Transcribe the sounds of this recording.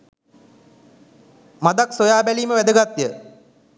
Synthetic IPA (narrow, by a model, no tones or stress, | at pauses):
mad̪aksojaːbæliːməʋæd̪əɡat̪ːjə